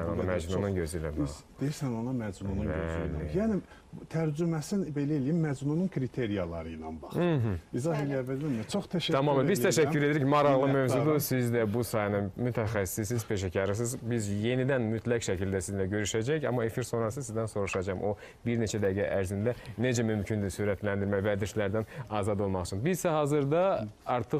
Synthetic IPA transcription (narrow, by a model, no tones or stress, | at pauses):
ænonɑmæd͡ʒmununɟøzylæ̰d̪ejisænonɑmæd͡ʒnunuæø̰ljæːni | t̪ʰæɾd͡ʒymæsinbe̞læelijimːæd͡ʒnununkʰɾit̪ʰeɾijɑlˠɑ̰ɾɯjnɑ̰nbɑɦ̩izɑheliævːællimit͡ʃʰoxt̪ʰæʃæt̪ʰɑmɑmbizt̪ʰæʃæcːyɾeeɾicmɑɾɑʁlˠɯmøvzud̪usizd̪æbusɑːjnɯmyt̪ʰæxæsi̥sis̬izpʰe̞ʃæcʰɑɾɯs̬ɯzbizje̞nid̪ænmyt̪ʰlæcʃæcʰild̪æsizlæɟø̞ɾyʃæd͡ʒæçɑ̰mːɑe̞fiɾso̞nɾɑs̬ɯzsizd̪ænso̞ɾuʃɑd͡ʒɑmʔo̞ | biɾne̞t͡ʃʰæd̪æɡæʔæɾzind̪æne̞d͡ʒæmymcʰynd̪ysyɾæt̪lænd̪iɾmæjvæd̪iɾʃlæɾd̪ænɑːzɑd̪o̞lˠmɑχt͡ʃʰunzbizsæhɑːzɯɾd̪ɑɑɾt̪ʰɯχ